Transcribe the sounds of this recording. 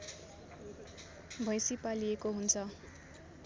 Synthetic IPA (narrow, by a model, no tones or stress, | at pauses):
bʱʌ̃jsipaliekoɦunt͡sʰʌ